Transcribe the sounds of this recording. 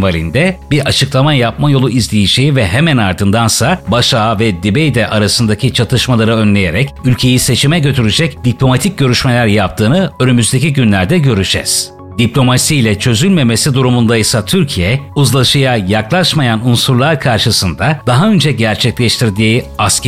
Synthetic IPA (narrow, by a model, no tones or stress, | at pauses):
valʲind̪ɛbiɾʔat͡ʃʰɯklˠamajap̚majo̞lˠuizlʲejiʃivɛɦemænaɾd̪ɯnd̪ansabaʃaːvɛd̪ibejd̪ɛʔaɾasɯnd̪acʰit͡ʃʰat̪ʰɯʃmalˠaɾɯø̞nlʲe̞jeɾɛcylʲcʰe̞jise̞t͡ʃʰimɛɟø̞t̪ʰyɾyd͡ʒɛcd̪iplʲo̞mat̪ʰic̚ɟø̞ɾyʃmelʲæɾjap̚t̪ʰɯːnɯønymyzd̪e̞cʰiɟynlʲæɾd̪ɛɟøɾyd͡ʒɛ̰z̥ | d̪̥iplʲo̞masijlʲɛt͡ʃʰø̞zylʲme̞me̞sid̪uɾumund̪ajɯsat̪ʰyɾcʰijɛuzlˠaʃɯjajaklˠaʃmajanunsuɾlˠaɾkʰaɾʃɯsɯnd̪ad̪̥aɦaø̞nd͡ʒɛɟæɾt͡ʃʰɛclʲɛʃt̪ʰiɾd̪iːas